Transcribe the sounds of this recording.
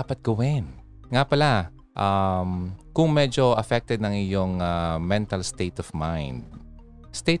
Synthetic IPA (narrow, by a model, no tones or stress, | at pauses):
apɐt̪̚ɡ̥ɐwɪn | ŋapɐla | ʔamkʊŋmɛd͡ʒo̞ʔɐfɛk̚t̪ɛd̪̚nɐŋʔɪjoŋamɛnt̪ɐlst̪ejt̪ɔvmajnd̪̚ | st̪e